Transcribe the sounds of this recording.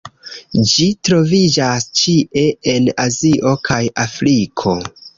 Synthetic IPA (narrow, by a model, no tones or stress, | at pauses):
d͡ʒitɾo̞vid͡ʒast͡ʃie̞e̞naziʔo̞kʰajafɾikʰo̞